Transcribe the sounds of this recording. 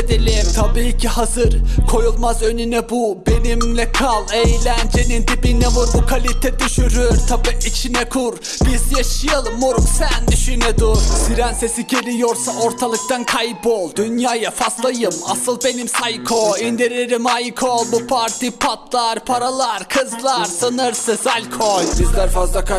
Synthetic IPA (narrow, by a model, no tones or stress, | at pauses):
d̪ilʲimt̪ʰabiːcʰiɦazɯɾkʰo̞julˠmazø̞nynɛbubenimlʲɛkʰalˠejlʲænd͡ʒenint̪ʰipinɛvuɾbukʰalʲit̪ʰɛd̪yʃyɾyɾt̪ʰabiit͡ʃʰinɛkʰuɾ | bizjaʃɯjɯlˠmuɾksænd̪yʃynɛd̪uɾsiɾænse̞siɟelijoɾsaoɾt̪ʰalˠɯk̚t̪ankʰajbolˠd̪ynjaːjafaslˠajɯma̰sɯlˠbe̞nimsajkʰoind̪iɾeɾimajkʰolbupʰaɾt̪ʰipʰat̪lˠaɾpʰaɾalˠaɾkʰɯzlˠaɾsɯnɯɾsezalʲkʰojbizlʲɛɾfazlˠaka